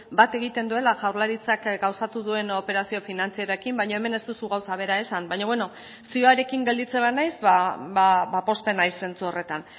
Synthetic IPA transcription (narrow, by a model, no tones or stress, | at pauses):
bat̪e̞ɣ̞it̪e̞nd̪ue̞laʝawrlaɾit͡sakɡawsat̪uðue̞no̞pe̞ɾasio̞finant͡siaɾoekimbajɲo̞e̞me̞ne̞st̪usuɣawsaβ̞e̞ɾae̞sambajɲoβwe̞no̞ | sioaɾe̞kiŋɡe̞ld̪it͡seβanajsβaabapo̞st̪e̞najsːe̞nt͡suo̞re̞t̪an